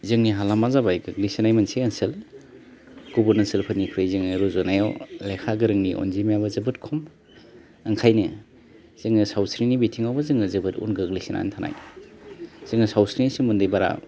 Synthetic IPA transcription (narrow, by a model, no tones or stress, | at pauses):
zɯŋniɦalamazabajɡɯɡlisinajmanseɐnsɯl | kubuɾnansɯlpʰɯnikʰɾɯjzɯŋnɯɾuzɔnajawlekʰaɡɯɾɯŋniʔɔ̰nzimjabazɯbɯtkʰɔm | aŋkʰajnɯ | z̥ɯŋɯsawsɾinibitʰiŋawbazɯŋɯzɯbɯtṵnɡɯɡlisinʔa̰ntʰana̰j | z̥ɯŋnɯsawsɾinisimundɯjbaɾa̰